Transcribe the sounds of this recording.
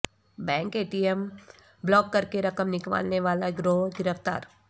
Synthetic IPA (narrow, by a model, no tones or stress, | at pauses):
bɛ̃ːŋkeːʈiəm | blɔːkːɐɾkeɾɐkəmnɪkʋa̰ːlneʋaːlaɡɾoːɦɡɪɾəft̪a̰ːɾ